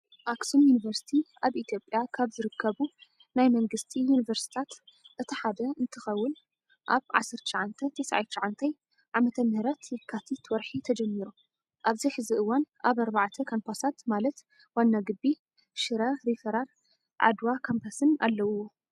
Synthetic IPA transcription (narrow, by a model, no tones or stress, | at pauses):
ʔaksumjunivɐɾsi̥t̪ʰiʔaβʔit̪ʰjo̞pʼːjakʰaβzɨɾɨkʰːɐβu | najmɐŋɡɨst̪ʰijunivɐɾsi̥t̪ʰat̪ʔɨt̪ʰiħad̪ɐɨnt̪ʰɨxɐwːʊn | ʔaβʕa̰sːɐɾt̪ʰʃaʕant̪ʰɐt̪ʰesʕa̰jt̪t͡ʃːɐʕant̪ʰɐj | ʕamɐt̪ʰɐmhɾɐt̪jɪkʰːat̪ʰit̪wɔɾħit̪ʰɐd͡ʒɐmːiɾu | ʔaβziħɨziʔɨwːanʔaβɐɾbaʕt̪ʰɐkʰanpʰasat̪malɐt̪ | wanːaɡɨbːi | ʃɨɾɐɾifɐɾaɾ | ʕa̰d̪wakʰompʰasɨna̰lːɐwo